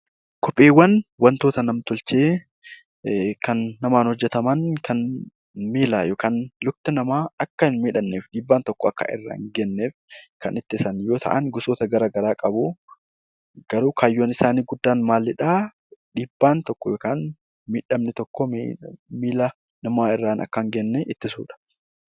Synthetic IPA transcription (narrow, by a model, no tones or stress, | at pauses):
kʰɔpʼːeːwːɐnwɐnt̪oːt̪ɐnɐmt̪ʊlt͡ʃeː | kɐnːɐmaːnhɔd͡ʒːɛt̪ɐmɐnkʰɐn | miːlaːjoːkaːnlʊk̚t̪ɪnɐmaːɐkːɐhɪnmiːᶑɐnːeːfᶑiːbːaːnt̪ɔkːɔɐkːɐ̰ʔɪ̰rːa̰ɪŋɡɛnːeːfkɐnɪt̪ːɪsɐnjoːt̪ʰɐ̰ʔɐnɡʊsoːt̪ɐɡɐɾaːɡɐɾaːkʼɐbuː | ɡ̥ɐɾuːkʰaːjːoːnɪsaːniːɡʊd̪ːaːnmaːlɪᶑaː | ᶑiːbːaːnt̪ɔkːɔjoːkaːn | miːᶑɐmnɛt̪ɔkːɔ | miːlɐ | nɐmaːɪrːaːnʔɐ̰kːɐŋɡɛnːɛʔɪt̪ːɪsṵːᶑɐ̥